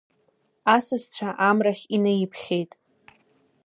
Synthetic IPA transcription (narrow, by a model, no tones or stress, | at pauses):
asɨst͡ɕʷʰaʔamraχʲinajipʰχʲe̞jtʼ